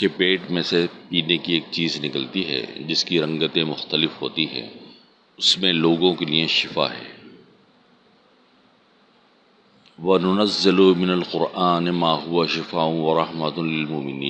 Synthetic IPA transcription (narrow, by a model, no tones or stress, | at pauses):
kepeːʈmẽsepiːnekieːk̚t͡ʃiːznɪkəlt̪iɦɛ̰ːd͡ʒɪskiɾɐ̃ŋɡət̪ẽmʊxt̪əlɪfɦoːt̪iɦɛ̰̃ː | ʊsmẽloːɡõkelieʃɪfa̰ːɦɛ̰ː | ʋɐnʊnɐzːɪlumɪnɐlqʊɾʔaːnmaːɦʊaʃɪfaːʊ̃ʋɐɾɐɦmɐt̪lɪlmoːmɪniːn